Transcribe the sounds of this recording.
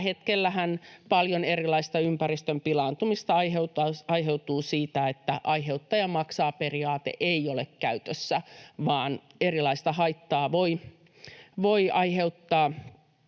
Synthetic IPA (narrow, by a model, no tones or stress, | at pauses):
het̪kelːæhænpɑljonerilɑist̪ɑympærist̪ømpilɑːnt̪umist̪ɑɑiheut̪ɑɑiɦeut̪uːsiːt̪æet̪ːæ̰ʔɑiɦeut̪ːɑːjɑmɑksɑːperiɑːt̪ḛʔeiolḛkkæyt̪øsːæʋɑːn | erilɑist̪ɑhɑit̪ːɑːʋoi | ʋoiʔɑiheut̪ːɑː